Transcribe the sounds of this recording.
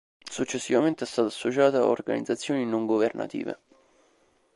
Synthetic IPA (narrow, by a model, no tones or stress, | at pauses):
sut͡ʃːesːivament̪eɛst̪aːt̪asːot͡ʃaːt̪aa̰o̰rɡa̰nid̪zat̪sːjoːninoŋɡoverna̰t̪ḭːvḛ